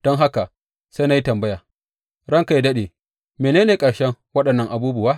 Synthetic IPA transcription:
d̥ɔ˦ŋɦa˦ka˨ | sa˦jna˦ji˦tɐ˨mbɐ˦jaː˨ | ɽɐ˦ŋka˨ji˦dɐ˦ɗeː˨ | meː˨neː˦neː˨kʼɐ˨ɽʃɛ˦ŋwɐ˦ɗɐ˨nːɐ˦ŋʔa˨buː˦bʊ˨waː˦

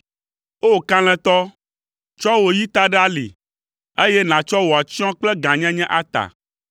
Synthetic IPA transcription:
o˦kã˦l̃ɛ̃˨t̪ɔ˦ | t͡ʃɔ˦wo˨ji˦t̪a˦ɖa˦lḭ˨ | e˦jɛ˦nã˨t͡ʃɔ˦wo˨a˨t͡ɕi˦ɔ̃˦k͡plɛ˦ɡã˨ɲɛ̃˦ɲɛ̃˦ʔa˦t̪a̰˨

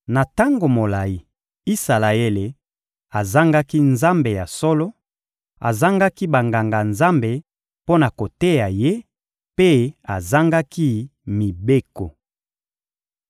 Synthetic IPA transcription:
na˨ta˦ŋɡo˨mo˨la˨ji˨ | i˦sa˨la˨e˦le˨ | a˨za˦ŋɡa˦ki˦nza˦mbe˨ja˨sɔ˦lɔ˦ | a̰˨za˦ŋɡa˦ki˦ba˨ŋɡa˨ŋɡa˨nza˦mbe˨ | po˦na˨ko˨te˦ja˨je˦ | pe˦a˨za˦ŋɡa˦ki˦mi˨be˦ko˨

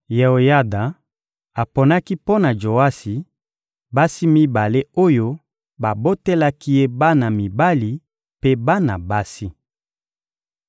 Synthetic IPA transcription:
je˨o˨ja˦da˨ | a˨po˨na˦ki˦po˦na˨d͡ʒo˨a˦si˨ | ba˦si˦mi˦ba˨le˦o˦jo˦ | ba˨bo˦te˦la˦ki˦je˦ba˦na˨mi˨ba˦li˨ | pe˦ba˦na˨ba˦si˦

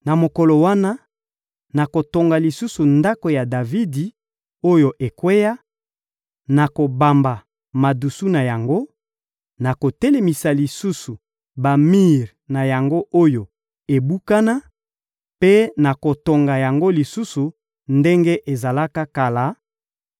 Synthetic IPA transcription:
na˨mo˨ko˨lo˨wa˦na˦ | na˨ko˨to˨ŋɡa˨li˨su˦su˨nda˦ko˨ja˨da˨vi˦di˨ | o˦jo˨ʔe˨kwe˦ja˦ | na˨ko˨ba˨mba˨ | ma˨du˨su˦na˨ja˨ŋɡo˦ | na˨ko˨tɛ˦le˨mi˨sa˨li˨su˦su˨ | ba˨mi˦ʁ | na˨ja˨ŋɡo˦ʔo˦jo˨ | e˨bu˦ka˦na˦ | pe˦na˨ko˨to˨ŋɡa˨ja˨ŋɡo˦li˨su˦su˨ | nde˦ŋɡe˦ʔe˨za˨la˦ka˦ka˨la˨˦

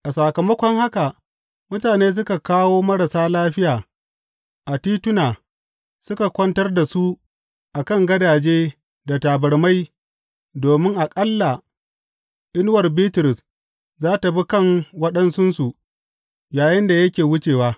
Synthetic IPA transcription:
ʔa˨sa˨kɐ˨mɐ˦kʷɔ˦ŋha˦ka˨ | mʊ˦taː˨neː˦s̬ʊ˦ka˨kaː˦woː˦mɐ˦ɾɽa˨saː˦laː˦ɸɪ˦jaː˨ | ʔa˨tiː˦tʊ˦naː˨ | sʊ˦ka˨kʷɐ˦ntɐ˦rda˨su˦ | ʔa˨kɐ˦˨ŋɡɐ˦daː˨d͡ʒeː˦ | da˨taː˨bɐ˨ɽma˦j | doː˨mɪ˦ŋʔa˨kʼɐ˦lːa˨ | ʔɪ˦nwɐ˨rbiː˦tʊ˨ɾɪ˨s | zaː˦ta˨bi˦kɐ˦˨ŋwɐ˦ɗɐ˦nsʊ˦nsu˨ʔ | jaː˨jɪ˦nda˨jɐ˦kʲeː˨wʊ˦t͡ʃeː˨waː˦

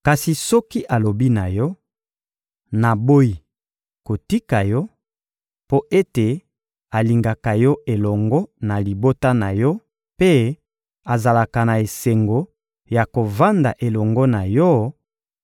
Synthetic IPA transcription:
ka˨si˨sɔ˦ki˦ʔa˨lo˨bi˦na˨jɔ˦ | na˨bo˦i˨ | ko˨ti˦ka˨jɔ˦ | po˦ʔe˦te˨ | a˨li˨ŋɡa˨ka˨jɔ˦ʔe˨lɔ˨ŋɡɔ˦na˨li˨bo˦ta˦na˨jɔ˦ | pe˦ | a˨za˨la˨ka˨na˨e˨se˨ŋɡo˨ | ja˨ko˨va˦nda˨ʔe˨lɔ˨ŋɡɔ˦na˨jɔ˦

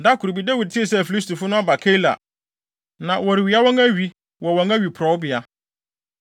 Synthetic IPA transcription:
da˦kʰʊ˨ɾu˨bi˦da˦wi˨d̚tʰɪ˦e˨sɛ˦˨fi˨li˦s̬tʰu˨fʊ˦nʊ̃˦a˦ba˨kʰɛ˦la̰˨ | nã˨wɔ˨ɾɪ˨ɥi˨˦a˦wɔ̃˦ŋæ˦ɥi˨ | wɔ˨wɔ̃˨ŋæ˦ɥi˨pʰɾɔ˨˦wʊ˦bɪ˨a˨

